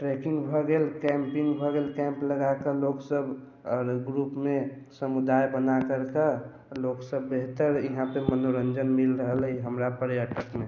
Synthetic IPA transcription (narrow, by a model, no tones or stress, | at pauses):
ʈɾekɪ̃ŋɡbʱɔɡeːlkɛ̃mpĩŋɡbʱɔɡeːlkɛ̃mpləɡakəloksəbʱ | ɔɾɡɾupme | səmud̪ajbənakəɾkə | loksəbːeɦt̪əɾiɦãpəmənoɾə̃nd͡ʒənmilɾəɦəlɦiɦəmɾapəɾjaʈəkmẽ